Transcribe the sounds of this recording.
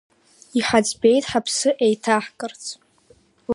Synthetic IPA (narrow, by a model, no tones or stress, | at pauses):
iħad͡zbe̞jtʼħapʰsɨʔejtʰaħkʼɨrt͡sʰʼ